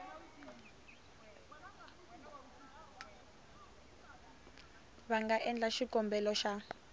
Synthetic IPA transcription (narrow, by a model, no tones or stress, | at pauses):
βaŋɡaʔɛnd͡ɮaʃikʼɔmbɛlɔʃa